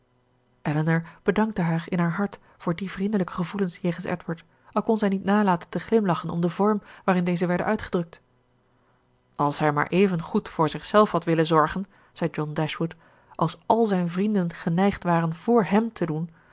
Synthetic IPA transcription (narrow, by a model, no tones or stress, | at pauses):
ʔɛlənəɹb̥ədɑŋk̚təɦaːɹɪnɦaːɹɦɑɹt | fʊːɹdivrindələkəχəvulənsjejχənsɛ̰twəɹt | ʔɛlˠkɔnzɛjnitnaːlaːtəntəχlɪmlɑχənɔ̰mdəvɔɹmʋaːɾɪndejzəʋɛɹdə̰nʔœɥtχədrɵk̚t | ɑlˠsɦɛjma̰ːɹʔejvənχutfʊːɹzɪχsɛlˠfhɑtʋɪlənzɔɹχən | z̥ɛj̚d͡ʒɔndɛʃʋut | ʔɑlˠsɑlˠzɛjnvrindənχənɛjχtʋaːʁənv̥ʊːɹɦɛmtʰədun